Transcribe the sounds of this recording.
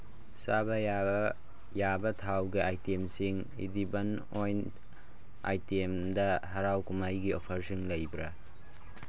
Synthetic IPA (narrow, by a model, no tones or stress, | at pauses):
sabɐ | jabɐtʰawɡiajtemsiŋ | ḭdibɐn | ojn | a̰jtemdɐɦɐɾawkumajɡiopʰɐɾsiŋlɐjbɾɐ